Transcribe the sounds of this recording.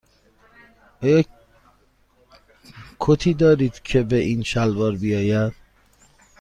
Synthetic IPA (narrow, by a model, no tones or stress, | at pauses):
ʔɒːjɒː | kʰot̪ʰiːd̪ɒːɾiːd̪̥cʰe̞beʔiːnʃælvɒːɾbijɒːjæd̪̥